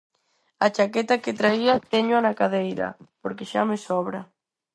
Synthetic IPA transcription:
at͡ʃakɛt̪aket̪ɾaiat̪ɛɲoanakaðejɾɐ̰poɾkeʃa̰mɪsɔβɾa

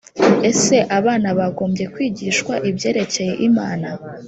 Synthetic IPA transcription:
e̞se̞ʔaβaːnaβaɡo̞ːmbje̞kwiːɟiːʃkwaʔibje̞ːɾe̞ce̞je̞ʔimaːna

